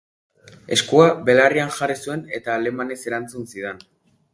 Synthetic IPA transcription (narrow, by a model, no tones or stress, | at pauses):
e̞skuabe̞larianʝarisue̞ne̞t̪aːle̞mane̞se̞ɾant͡sunsið̞en